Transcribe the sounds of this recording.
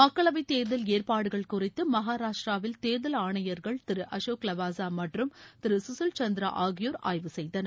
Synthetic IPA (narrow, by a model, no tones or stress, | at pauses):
mɐkːɐɭɐʋɐɪt̪eːɾðɐleːrpaːɽɯɣɐɭkʊrɪt̪ːɯmɐɦaːɾaːʂʈɾaːʋɪlt̪eːɾðɐlaːɳɐjɐɾɣɐɭt̪ɪɾɯʔɐʃoːklɐʋaːsaːmɐʈrɯmt̪ɪɾɯsʊsɯlt͡ʃɐnd̪ɪɾɐ̰ʔaːɣɪjoːɾa̰ːjʋɯsɛjðɐnɐ